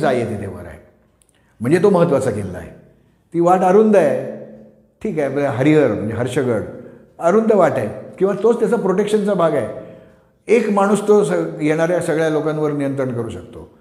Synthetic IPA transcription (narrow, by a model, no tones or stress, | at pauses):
d͡zajet̪it̪ʰeʋə̰ɾa̰ɦe | m̤əɳd͡zet̪oməɦət̪ʋat͡sakelːa̰ḛ | t̪iːʋaʈəɾund̪əe | ʈʰiːkaeməɦəɾiəɾm̤əɳd͡zeɦəɾɕəɡəɽ | əɾund̪əʋaʈakĩw̃ʋat̪ot͡st̪jat͡sapɾoʈekɕənt͡sabʱaɡae | ekmaɽ̃uːst̪osəjeɽ̃aɾjasəɡɭjalokãnʋəɾnijənt̪ɾəɳkəɾuːɕəkt̪o̰